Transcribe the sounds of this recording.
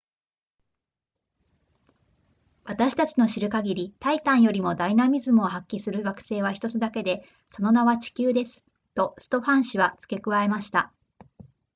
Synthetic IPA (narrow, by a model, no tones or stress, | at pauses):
βat̪aɕi̥t̪at͡ɕino̞ɕiɾɯ̟kaɡʲiɾʲit̪ait̪ãɰ̃jo̞ɾʲimo̞d̪ainamʲizɨmɯ̟o̞ɦakʲːisɨɾɯ̟ɡakɯ̟̥se̞ːβaçi̥t̪o̞t͡sɨd̪ake̞d̪e̞ | so̞no̞naβat͡ɕi̥kʲɨːd̪e̞sɨ̥ | t̪o̞sɨ̥t̪o̞ɸãɰ̃ɕiβat͡sɨ̥ke̞kɯ̟βaemaɕi̥t̪a